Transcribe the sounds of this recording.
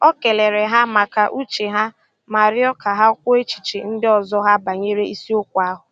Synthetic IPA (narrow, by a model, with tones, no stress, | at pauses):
ɔ˦ke˨le˨ɾe˨ɦa˦ma˨ka˨ʔu˦t͡ʃe˨ɦa˦ | ma˨ɾɪ˦ɔ˦ka˨ɦa˦kʷʊ˦e˦t͡ʃi̥˨t͡ʃe˨n̩˦dɪ˦ɔ˨zɔ˦ɦa˦ba˨ɲe˦ɾe˦i˦si˦o˦kʷa˦ɦʊ˨